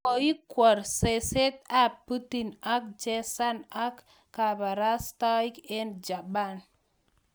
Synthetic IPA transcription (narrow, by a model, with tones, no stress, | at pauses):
ko˨ji˦kːwɔ˨ɾse˨se˦t̪a˦pu˦ti˨na˦k̚d͡ʒe˦sa˦na˦kː | a˨ba˨ɾa˦sta˦i˦ke˦nd͡ʒa˨ba˦˨n